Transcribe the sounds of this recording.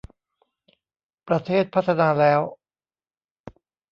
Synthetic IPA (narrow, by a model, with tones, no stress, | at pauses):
pɾa˧t̪ʰeː˥˩t̪̚pʰa˦˥t̪ʰːa˧naː˧lɛː˦˥w